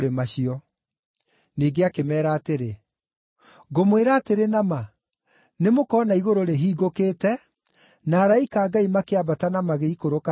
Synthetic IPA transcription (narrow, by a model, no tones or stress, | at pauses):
ɾemaɕiɔ | niːɡeakemɛːɾaːteɾe | ɡomweɾaːteɾenama | nemokɔːnaiɣoɾoɾeɦiːɡokeːtɛ | naːɾaikaːɡaimakeabatanamaɣeikoɾoka